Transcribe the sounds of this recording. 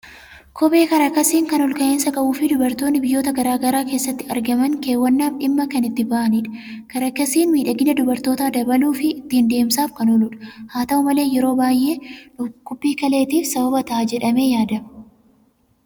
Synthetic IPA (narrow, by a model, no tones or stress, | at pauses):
kʰɔbe̞ːkɐɾɐkːɐsiːŋkɐnɔlkɐʔeːnsɐkɐʔuːfɪd̪ʊbɐɾt̪oːnːɪbɪjːoːt̪ɐɡɐɾaːɡɐɾaːke̞ːsːɐt̪ːɪɐɾɡɐmɐŋke̞ːwːɐnːaːfᶑɪmːɐkɐnɪt̪ːɪbaːʔɐniᶑɐ̥kɐɾɐkːɐsiːnmiːᶑɐɡɪnɐd̪ʊbɐɾt̪o̞ːt̪aːd̪ɐbɐluːfɪːt̪ːɪɪnd̪e̞ːmsaːfkɐnɔlʊᶑɐ̥haːt̪ɐʊmɐle̞ːjɛɾo̞ːbaːjʔe̞ːʊkːʊpːiːkɐle̞ːt̪iːfsɐbɐbɐt̪ɐʔaːd͡ʒɛᶑɐme̞ːjaːd̪ɐm